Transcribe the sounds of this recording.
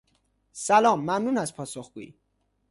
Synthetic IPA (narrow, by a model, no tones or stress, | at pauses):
sælɒːmːæmnuːnæspʰɒːsoxɡ̥uːḭ